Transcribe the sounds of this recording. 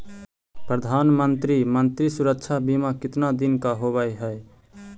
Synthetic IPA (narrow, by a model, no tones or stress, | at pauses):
pɾəd̪ʱanmənt̪ɾimənt̪ɾisuɾək̚t͡ʃʰabimakɪt̪nad̪inkaɦoβəjɦəe